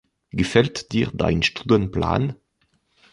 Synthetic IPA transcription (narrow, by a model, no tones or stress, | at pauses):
ɡ̥əfɛltd̥iːʁda̰ɪnʃtuːdənpla̰ːn